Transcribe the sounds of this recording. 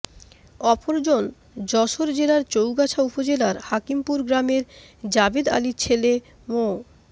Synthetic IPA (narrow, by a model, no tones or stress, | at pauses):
ɔpoɾd͡ʑon | d͡ʑɔʃoɾd͡ʑelaɾt͡ɕowɡat͡ɕʰaupod͡ʑelaɾhakimpuɾɡɾameɾd͡ʑabed̪a̰lit͡ɕʰele | mo